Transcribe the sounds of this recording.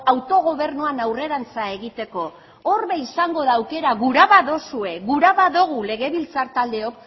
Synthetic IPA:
awt̪o̞ɣ̞o̞β̞e̞ɾnuanawre̞ɾant͡sae̞ɣit̪e̞ko̞ | orβeisaŋɡo̞ðaːwke̞ɾaɣuɾaβaðo̞sue̞ɣuɾaβaðoɣ̞ule̞ɣe̞βilt͡saɾt̪ald̪e̞o̞k

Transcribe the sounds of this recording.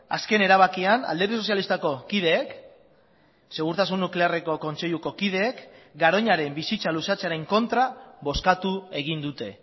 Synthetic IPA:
a̰ske̞ne̞ɾaβ̞akiana̰ld̪e̞ɾðiso̞sjalist̪ako̞kið̞e̞ːk | se̞ɣ̞uɾt̪asunːukle̞are̞ko̞ko̞nt͡se̞ʎuko̞kið̞e̞ːkɡaɾo̞ɲaɾe̞mbisit͡salusat͡seaɾe̞ŋko̞nt̪ɾaβo̞skat̪ue̞ɣ̞ind̪ut̪e̞

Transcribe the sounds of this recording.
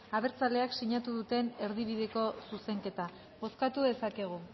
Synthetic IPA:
aβe̞ɾt͡sale̞aksiɲat̪uðut̪e̞ne̞ɾðiβ̞ið̞e̞ko̞suse̞ŋke̞t̪a | bo̞skat̪uðe̞sake̞ɣ̞u

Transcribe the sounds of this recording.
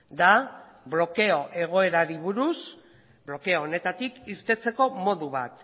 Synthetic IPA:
d̪a | βlo̞ke̞o̞ʔe̞ɣ̞o̞e̞ɾaɾiβuɾus | blo̞ke̞oːne̞t̪at̪ikiɾt̪e̞t͡se̞ko̞mo̞ðuβ̞at̪

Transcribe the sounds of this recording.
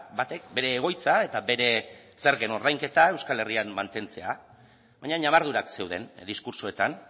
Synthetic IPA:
bat̪e̞k̚be̞ɾe̞ːɣ̞o̞jt͡sae̞t̪abe̞ɾe̞se̞ɾɣe̞no̞ɾðajŋke̞t̪ae̞wskale̞rianmant̪e̞nt͡se̞a | βajɲaɲaβaɾðuɾakse̞wðe̞̰nd̪iskuɾsoe̞t̪an

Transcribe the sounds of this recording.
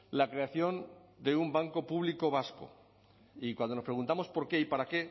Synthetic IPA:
lakɾe̞aθjo̞nd̪e̞umbaŋko̞puβliko̞β̞asko̰ | ikwand̪onospɾe̞ɣ̞unt̪amo̞spo̞ɾke̞ipaɾake̞

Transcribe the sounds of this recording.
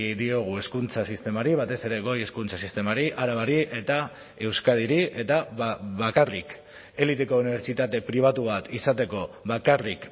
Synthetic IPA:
d̪io̞ɣ̞ue̞skunt͡sasist̪e̞maɾiβ̞at̪e̞se̞ɾe̞ɣo̞je̞skunt͡sasist̪e̞maɾiʔaɾaβaɾiʔe̞t̪a | e̞wskað̞iɾiʔe̞t̪aβakarik | e̞lit̪eko̞uniβ̞e̞ɾt͡ʃit̪at̪e̞pɾiβ̞at̪uβ̞at̪isat̪e̞ko̞βakarik

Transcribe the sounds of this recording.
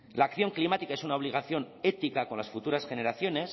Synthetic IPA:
laːkθjo̞ŋklimat̪ikae̞sunaoβliɣaθjo̞ne̞t̪ikako̞nlasfut̪uɾasxe̞ne̞ɾaθjo̞ne̞s

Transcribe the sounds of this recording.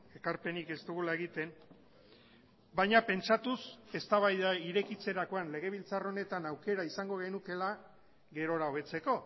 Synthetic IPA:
e̞kaɾpe̞nike̞zt̪uɣulae̞ɣ̞it̪e̞n | bajɲape̞nt͡ʃat̪use̞st̪aβajðaiɾe̞kit͡se̞ɾako̞anle̞ɣ̞e̞β̞ilt͡saro̞ne̞t̪anawke̞ɾaisaŋɡo̞ɣ̞enuke̞la | ɣe̞ɾo̞ɾao̞βe̞t͡se̞ko̞

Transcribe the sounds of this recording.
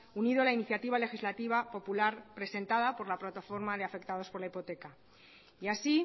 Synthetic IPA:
uniðolainiθjat̪iβ̞ale̞xizlat̪iβapo̞pulaɾpɾe̞se̞nt̪aðapo̞ɾlaplat̪afo̞ɾmað̞e̞afe̞kt̪að̞o̞spo̞ɾlaipo̞t̪e̞ka | iasi

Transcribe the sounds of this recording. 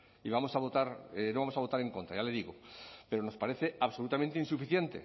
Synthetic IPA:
iβamo̞saβo̞t̪aɾenoamosaβo̞t̪aɾe̞ŋko̞nt̪ɾajale̞ðiɣ̞ope̞ɾono̞spaɾeθe̞aβso̞lut̪amẽnt̪einsufiθje̞nt̪e̞̰

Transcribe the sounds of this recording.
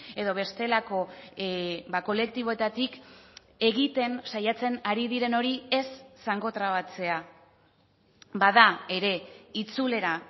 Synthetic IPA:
e̞ðo̞β̞e̞st̪e̞lako̞ | bako̞le̞k̚t̪iβo̞e̞t̪at̪ik | e̞ɣit̪e̞nsajat͡se̞naɾiðiɾe̞no̞ɾie̞sːaŋɡo̞t̪ɾaβat͡se̞a | baðae̞ɾe̞it͡sule̞ɾa

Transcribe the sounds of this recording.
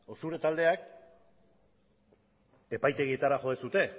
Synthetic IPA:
o̞suɾe̞t̪ald̪e̞ak | e̞pajt̪e̞ɣiet̪aɾaxʝo̞ðesut̪e̞

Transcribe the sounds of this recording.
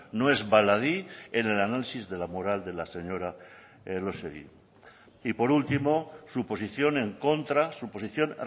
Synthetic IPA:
noe̞zβalaðiene̞lanalisizðe̞lamoɾald̪e̞lase̞ɲoɾa | lo̞seðḭ | ipo̞ɾult̪imo̞supo̞siθjo̞ne̞ŋko̞nt̪ɾasupo̞siθjo̞n

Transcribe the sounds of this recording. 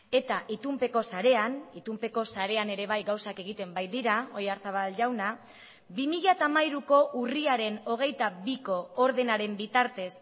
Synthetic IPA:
e̞t̪aʔit̪umpe̞ko̞saɾe̞anit̪umpe̞ko̞saɾe̞ane̞ɾe̞β̞ajɣawsake̞ɣ̞it̪e̞mbajd̪iɾao̞jaɾθaβalʝawna | bimiʎat̪amajɾuko̞ʔuriaɾe̞no̞ɣ̞e̞jt̪aβiko̞ːɾðe̞naɾe̞mbit̪aɾt̪e̞s

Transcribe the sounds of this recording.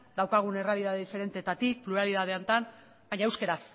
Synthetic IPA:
d̪awkaɣ̞une̞realiðaðe̞ðife̞ɾe̞nt̪eːt̪at̪ik̚pluɾalið̞að̞e̞ant̪an | baɲaewskeɾas

